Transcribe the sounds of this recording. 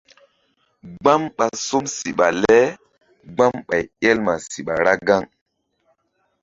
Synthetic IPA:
ɡ͡ba˦mɓa˨so˦msi˨ɓa˨lɛ˦ | ɡ͡ba˦mɓa˨jɛ˦lma˨si˨ɓa˨ɾa˦ɡa˦˨ŋ

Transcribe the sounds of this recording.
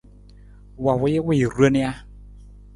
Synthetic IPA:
wa˨wʊ˨˦jɪ˦wɪ˦˨ɾu˦ə˦nɪ˦a˦

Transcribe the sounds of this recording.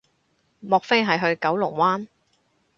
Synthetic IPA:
mɔː˨k̚fe˥jɦɐ˨jɦɵ˧ɥkɐ˨˥wlʊ˨˩ŋwaː˥n

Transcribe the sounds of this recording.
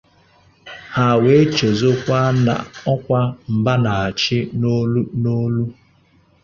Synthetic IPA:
ha˨we˨˦t͡ʃe˨zo˦kʷa˦na̰˨ɔ˦kʷa˦m̩˨ba˦na˨a˨t͡ʃɪ˦no˦lu˦no˦lu˦

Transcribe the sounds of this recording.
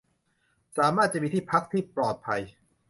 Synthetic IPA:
saː˩˦maː˥˩t̪̚t͡ɕa˨ʔmiː˧t̪ʰiː˥˩pʰa˦˥k̚t̪ʰiː˥˩plɔː˨˩t̪̚pʰa˧j

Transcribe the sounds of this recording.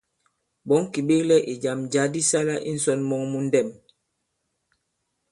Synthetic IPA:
ɓɔ˨˦ŋ˦ki˨ɓe˦klɛ˦ʔi˨d͡ʒa˨md͡ʒa˨˦di˦sa˦la˦ʔḭ˦n̩˨˦sɔ˦nmɔ˦ŋmu˦n˦dɛ˦˨m

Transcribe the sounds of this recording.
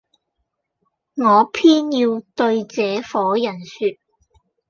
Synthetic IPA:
ŋɔː˨˧pʰiː˥njiː˧wt̪ɵ˧ɥt͡sɛː˨˧fɔː˨˥jɐ˨˩nsyː˧t̚

